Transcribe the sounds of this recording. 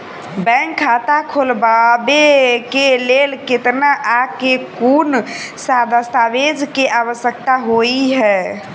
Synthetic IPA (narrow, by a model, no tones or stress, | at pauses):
bɛ̃ŋkʰːat̪akʰolbabekelelket̪naʔakekunsad̪ʱəst̪abed͡ʒʱkeʔaβəsjək̚t̪aɦoiɦɛ